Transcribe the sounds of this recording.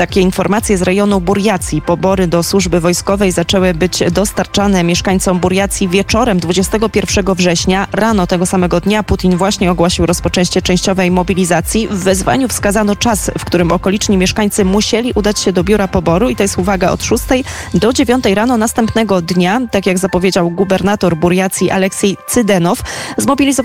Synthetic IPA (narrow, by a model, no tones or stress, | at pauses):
t̪akʲɛinfɔɾmat̪sʲjɛzɾɛjɔnubuɾjat̪sʲjipɔbɔɾɘd̪ɔswuʐbɘvɔjskɔvɛjzat͡ʂɛwɘbɘd͡ʑd̪ɔst̪aɾt͡ʂan̪ɛmʲjɛʂkaɲt̪sɔmbuɾjat̪sʲjivʲjɛt͡ʂɔɾɛmd̪vud͡ʑɛst̪ɛɡɔpʲjɛɾfʂɛɡɔvʐɛɕɲaɾan̪ɔt̪ɛɡɔsamɛɡɔd̪ɲaput̪ʲinvwaɕɲɛɔɡwɔɕiwɾɔspɔt͡ʂɛ̃w̃ɕt͡ɕɛt͡ʂɛ̃w̃ɕt͡ɕɔvɛjmɔbʲilʲizat̪sʲjivːɛzva̰ɲufskazanɔt͡ʂasfkt̪uɾɘmɔkɔlʲit͡ʂɲimʲjɛʂkaɲt̪sɘmuɕɛlʲiʔud̪at͡ɕɕɛd̪ɔbʲjuɾapɔbɔɾuit̪ɔjɛst̪uvaɡaɔ̰t̪ʂust̪ɛjd̪ɔd͡ʑevʲjɔnt̪ɛjɾan̪ɔnast̪ɛmpnɛɡɔd̪ɲat̪akʲjaɡzapɔvʲjed͡ʑawɡubɛɾnat̪ɔɾbuɾjat̪sʲjiʔa̰lɛksɛjt̪sɘd̪ɛnɔfzmɔbʲilʲizɔ